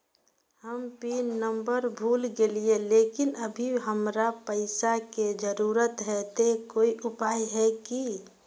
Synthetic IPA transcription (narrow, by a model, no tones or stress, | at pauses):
həmpiːnːəmbəɾbʱuːlɡelieleːkɪnəbʱiɦəmɾapəɪsaked͡ʒəɾuːɾət̪ɦɛt̪ekoːiʔʊpaːjɦɛki